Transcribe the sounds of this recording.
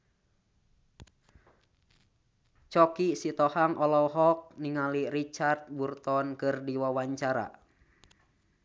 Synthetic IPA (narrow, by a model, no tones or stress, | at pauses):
t͡ʃɔkisit̪ɔhaŋʔɔlɔɦɔk̚niŋalirit͡ʃart̪̚burt̪ɔnkɨrdiwawaɲt͡ʃaɾa̰